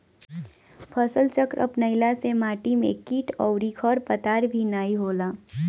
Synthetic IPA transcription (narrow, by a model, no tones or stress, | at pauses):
pʰəsəlt͡ʃəkɾʔə̰pnəɪlasemaːʈimḛ̃kiːʈʰɔʊɾikʰɔɾpət̪aːɾbʱinaːiɦoːlaː